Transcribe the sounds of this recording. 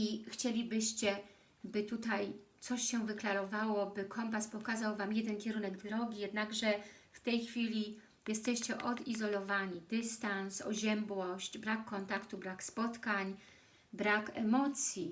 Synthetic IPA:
ixt͡ɕelʲibɘɕt͡ɕɛ | bɘt̪ut̪ajt̪sɔɕɕɛ̃vɘklaɾɔvawɔbɘkʰɔmpaspɔkazawvamjɛd̪ɛnkʲɛɾunɛɡd̪ɾɔɡʲijɛd̪naɡʐɛ | ft̪ɛjxfʲilʲi | jɛst̪ɛɕt͡ɕɛʔɔd̪izɔlɔvaɲid̪ɘst̪ansɔʑɛmbwɔɕt͡ɕbɾakʰːɔnt̪akt̪ubɾakspɔt̪kaɲ | bɾakɛmɔt̪sʲji

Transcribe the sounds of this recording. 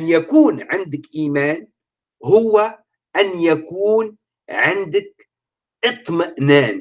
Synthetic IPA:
njakuːnʕɪnd̪ɪkʔiːmaːn | hʊwːa | ʔanjakuːn | ʕɪnd̪ɪk̚ | ʔɨt̪ˤmaʔnaːn

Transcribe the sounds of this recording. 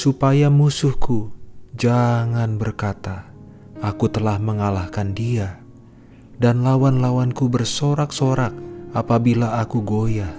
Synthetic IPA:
supajamusʊhkud͡ʒaŋanbərkat̪aː | kut̪əlahməŋalahkandia | danlawanlawankubərsoɾaksoɾak̚apabilaːkuɡoja

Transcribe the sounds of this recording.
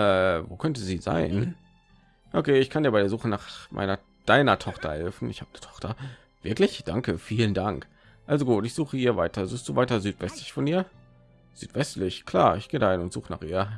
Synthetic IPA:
ʔɛːvoːkʰœntəziːza̰ɪn | ʔokʰeːɪçkʰandiːɐbaɪɾeːɐzuːxənaːχmʔa̰ɪnɐ | d̥aɪnɐtʰɔχtɐhɛlfn̩ʔɪ̰çhaːbəni̥tʰɔ̥χtɐ | v̥ɪɐklɪçd̥aŋkəfiːləndaŋk | ʔalzoɡuːtɪçz̥uːχəhiːɐvaɪtɐzuːst̚d̥uːvaɪtɐzyːtv̥ɛstlɪçfɔniːɐ | z̥yːtv̥ɛstlɪçkʰl̥aːɐɪçɡ̥eːdahɪnʊntz̥uːχəna̰ːχʔiːɐ

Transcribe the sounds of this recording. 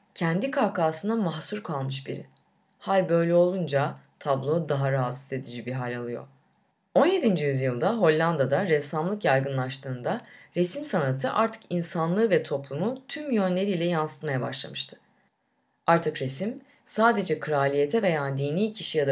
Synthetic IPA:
cʰænd̪ikʰaːkaːsɯnd̪amaxsuɾkʰalˠmɯʃbḭɾɪ̰ | halʲbø̞jlʲɛo̞lˠund͡ʒat̪ʰablˠo̞d̪aɦaɾaɦat̪ɯze̞d̪id͡ʒibiɦalʲalˠɯjo̞̰ɾ | o̞nje̞d̪ind͡ʒijyzjɯlˠd̪aɦo̞lʲːand̪ad̪aɾɛsːamlˠɯkjajɡɯnlˠaʃt̪ʰɯːnd̪aɾesimsanat̪ʰɯʔa̰ɾt̪ʰɯ̥kinsanlˠɯːvɛt̪ʰo̞plˠumut̪ʰymjø̞nlʲe̞ɾiːlʲɛjansɯ̥t̪majabaʃlˠa̰mɯʃt̪ʰɯ̥ | aɾt̪ʰɯkɾesim | saːd̪e̞d͡ʒɛkʰɯɾaːlʲije̞t̪ʰɛve̞jaːd̪iːniːcʰiʃijad̪a

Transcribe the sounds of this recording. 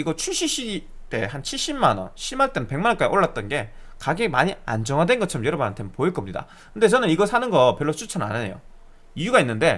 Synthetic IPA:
iɡʌt͡ɕʰuɕ͈iɕ͈i | t͈e̞hant͡ɕʰiɭɕ͈immanʌ̰nɕʰimaɭt͈e̞nɯnpe̞ŋmanʌnk͈aiʔoɭːat̚t͈ʌnɡe̞ | kaɡemaɲia̰nd͡ʑʌŋɦadwe̞nɡʌt͡ɕʰʌɾʌmjʌɾʌbunɦantʰepoiɭk͈ʌmɲida̰ | kɯnde̞t͡ɕʌnɯniɡʌsʰanɯnɡʌpjʌɭːot͡ɕʰut͡ɕʰʌna̰neejo̰ | ijuɡainːɯnde̞

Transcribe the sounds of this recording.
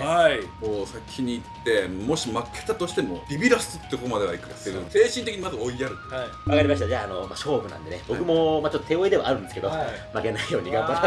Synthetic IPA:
haikoːsakʲʰːiɲ̟iːt̪ːe̞mo̞ɕimakʰːe̥t̪at̪o̞ɕi̥t̪emo̞ɾʲibʲiɾasɨɨt̪ːekokomad̪e̞βaikːaast̪eɾɯse̞ːɕĩnt̪ekiɲ̟imazɨo̞ijaɾɯ̟t̪ːo | βakaɾʲimaɕ̬it̪ad͡ʑaːno̞ma̰ɕo̞ːbɯ̟nã̰nd̪e̞nḛbo̞kɯ̟mo̞mat͡ɕo̞t̪ːt̪eoid̪e̞βa̰aɾɯ̟nd̪sɨ̥ke̞d̪omake̞naijo̞ːɲ̟iɡaka

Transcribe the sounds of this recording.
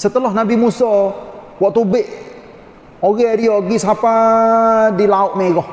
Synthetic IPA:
sət̪əlɔhnabimusɔ | wɔʔt̪ubɪʔ | oɣɛɾiɔɡisapa | dilaʊʔmeɣɔh

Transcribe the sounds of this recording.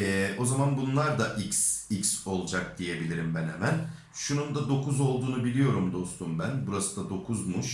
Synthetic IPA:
ɛːʔo̞zamanbunlˠaɾd̪aʔicsicso̞lˠd͡ʒak̚d̪̥ije̞bilʲiɾimbænhemæn | ʃunund̪ad̪o̞kʰuzo̞lˠd̪uːnubilʲijo̞ɾumd̪o̞st̪ʰunbænbuɾasɯ̥d̪ad̪o̞kʰuzmuʃ

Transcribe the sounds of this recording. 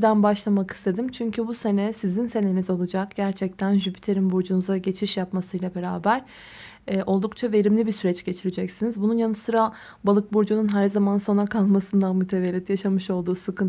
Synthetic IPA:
d̪ænbaʃlˠamakʰɯ̥st̪ʰe̞d̪imt͡ʃʰyɲcʰybuse̞nɛsizinse̞ne̞nizo̞lˠud͡ʒakɟæɾt͡ʃʰɛc̚t̪ʰænʒybi̥t̪ʰe̞ɾimbuɾd͡ʒunuzaɟe̞t͡ʃʰiʃjapmasɯjlʲˠabe̞ɾaːbæɾ̥ | ɛʔo̞lˠd̪uk̚t͡ʃʰave̞ɾimlʲibisyɾɛt͡ʃɟ̥e̞t͡ʃʰiɾid͡ʒɛcsinizbununjanɯsɯɾa | balˠɯk̚buɾd͡ʒununɦæɾzamanso̞nakʰalˠmasɯnd̪anmut̪ʰeve̞lʲːit̪jaʃamɯʃo̞lˠd̪uːsɯkʰɯn

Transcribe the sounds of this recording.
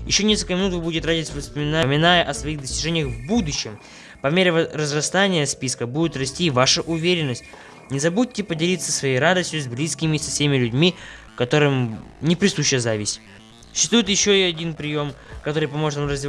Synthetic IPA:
jɪ̰ɕːo̞nʲeskəlʲkəmʲɪnut̪vɨbudʲɪt̪radʲɪsʲvəspəmʲɪnamʲɪnajəʔɐsvɐixd̪əsʲtʲɪʐɛnʲɪjəxvbud̪ʊɕːɪm | pɐmʲeɾʲɪvrəzrɐst̪anʲɪjəspʲiskəbudʲɪt̪rɐsʲtʲivaʂəʔʊvʲeɾʲɪnːəsʲtʲ | nʲɪzɐbut̚ʲtʲːɪpədʲɪlʲit̪sːəsvɐjejɾad̪əsʲtʲjʊzʲblʲiskʲɪmʲɪsɐfsʲemʲɪlʲʉdʲmʲi | kɐt̪o̞ɾɨmnʲɪpɾʲɪsuɕːɪjəzavʲɪsʲtʲ | ʊ̥t͡ɕːɪst̪vujɪt̪jɪɕːo̞ɪɐdʲinpɾʲɪjo̞mkɐt̪o̞ɾɨjpɐmo̞ʐɨt̪amrəzʲvʲɪ

